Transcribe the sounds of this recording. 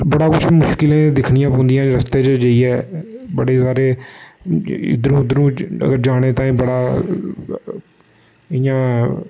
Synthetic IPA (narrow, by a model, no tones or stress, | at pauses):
bəɽaːkʊt͡ʃʰmʊʃkɪlẽːd̪ɪkʰnɪjãːpõːnd̪ijãːɾəst̪eːt͡ʃəd͡ʒəiːɛːbəɽeːsaːɾeː | ɪ̰d̪əɾũːɪd̪əɾũːə̰ɡəɾd͡ʒaːɽ̃eːt̪ãːiːbəɽaː | ɪjãː